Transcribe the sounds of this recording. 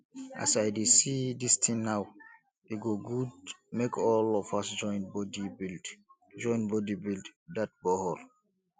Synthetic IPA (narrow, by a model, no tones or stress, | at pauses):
ʔa̰saɪdesidistʰĩŋnaw | eɡoɡudmekʰɔlɔfasd͡ʒɔ̃ɪ̃nbɔdibild | d͡ʒɔ̃ɪ̃nbɔdibilddat̚bɔhɔl